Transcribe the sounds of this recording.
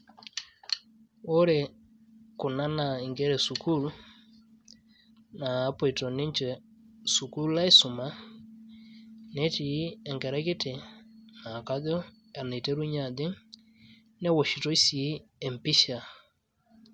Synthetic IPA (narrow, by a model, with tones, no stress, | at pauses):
o˦ɾɛ˨ | kʊ˨na˦na˨i˨ŋɡɛ˦ɾɛ˨su˨ku˦˨l | naː˨˦pɔ˨i˨to˨nɪ˦ɲt͡ʃɛ˨ | su˨ku˦la˦i˦sʊ˨ma˦ | nɛ˦ti˨˦ɛ˨ŋkɛ˨ɾɛ˦kɪ˦tɪ˨na˨ka˦dɔ˦ | ɛ˨ne˨te˦ɾu˦ɲa˨dɪ˦ŋ | nɛ˦wɔ˨ʃi˨to˦i˦si˨˦ɛ˨m˨pɪ˦ʃa˨